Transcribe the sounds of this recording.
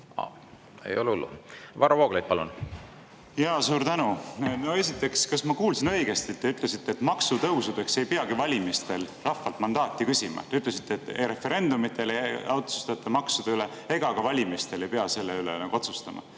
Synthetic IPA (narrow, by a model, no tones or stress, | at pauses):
ɑ̰ | ḛjo̰lulːṵvɑɾɑvoːɡ̥lejt̪̚pɑlun | jɑːsuːɾt̪ænuno̞e̞sit̪ːˑe̞kskɑsmɑkuːlsinɤ̞ijɡ̥e̞st̪it̪ːe̞yt̪ːˑle̞sit̪ːeːt̪mɑksut̪ɤwsud̪̥e̞kse̞jpeɑɡivɑlʲimist̪e̞lrɑfːɑlt̪mɑnd̪ɑːt̪ˑːikysʲimɑ̰t̪e̞yt̪ˑle̞si̥t̪ˑːeːt̪ːejɾe̞fe̞ɾe̞nd̪umit̪ːˑe̞lejɑwt̪su̥st̪ɑt̪ːˑɑmɑksud̪̥eyle̞ | e̞ɡ̥ɑɡɑvɑlʲimist̪e̞le̞jpeɑse̞lːeylḛnɑɡuot̪su̥st̪ɑmɑ̰